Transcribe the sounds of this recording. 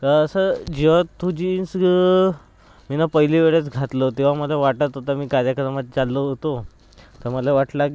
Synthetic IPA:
k̪əɾəsəd͡ʑeʋat̪ʰːud͡ʑins | minapəɦiliʋeɭjat͡sɡʱat̪lot̪ĩʋ̤aməlaʋaʈət̪ɦot̪amiːkaɾjakəɾmat̪̚t͡salːəɦot̪o | t̪əməlaʋaʈlak

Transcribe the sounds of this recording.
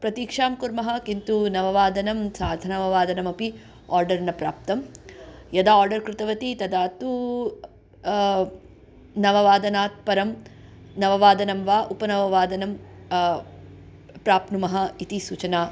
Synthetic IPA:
pɾɐt̪iːkʂaːmkuɾmɐɦɐ̆kint̪unɐʋɐʋaːd̪ɐnɐmsaːɾd̪ʱɐnɐʋɐʋaːd̪ɐnɐmɐpi | aːɾɖɐɾnɐpɾaːp̚t̪ɐmjɐd̪aaːɾɖɐɾkɾɪt̪ɐʋɐt̪it̪ɐd̪aːt̪u | nɐʋɐʋaːd̪ɐnaːt̪̚pɐɾɐm | nɐʋɐʋaːd̪ɐnɐmʋaːʔupɐnɐʋɐʋaːd̪ɐnɐm | pɾaːpnumɐɦɐit̪isuːt͡ʃɐnaː

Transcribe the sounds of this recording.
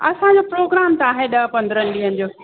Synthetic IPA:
ɐsãd͡ʑopɾoːɡɾaːmt̪ɐaːɦeɗɐɦpɐ̃nd̪ɾənɪ̆ɗiːɦənɪ̆d͡ʑoː

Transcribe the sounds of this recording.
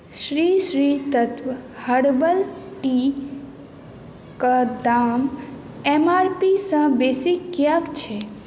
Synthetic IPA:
ʃɾiːʃɾit̪ət̪ʋhəɽbəlʈ̪i | kəd̪aːm | emaːɾpisə̃beːsɪkːjakt͡ʃʰe

